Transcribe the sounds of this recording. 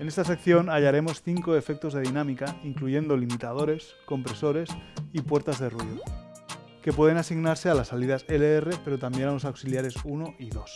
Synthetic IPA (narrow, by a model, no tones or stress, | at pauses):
ene̞st̪asekθjo̞naʎaɾe̞mo̞sθiŋkoe̞fek̚t̪o̞zðe̞ðinamikaiŋkluʝe̞nd̪olimit̪að̞o̞ɾe̞s | ko̞mpɾe̞so̞ɾe̞sipweɾt̪azðeruiðo | ke̞pwe̞ð̞e̞nasiɣnaɾse̞alasːaliðaseleerepe̞ɾot̪ambje̞nalosawksiljaɾesunoʔiðo̞s